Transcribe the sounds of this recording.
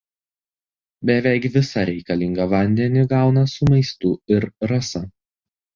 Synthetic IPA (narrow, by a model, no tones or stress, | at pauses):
bʲɛʋʲɛɪkʋʲɪsɐɾʲɛɪkɐlʲɪŋɡɐʋɐnʲd̪ʲɛnʲɪɡɑˑʊnɐsʊmɐɪst̪ʊɪɾɾɐsɐ